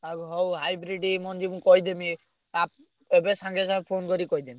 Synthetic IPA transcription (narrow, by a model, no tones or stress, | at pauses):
aɡɦowɦajbɾiɖimɔnd͡ʒibũkɔɦjd̪emi | ap̚ | ebesaŋɡesapʰonkɔɾikɔɦid̪emi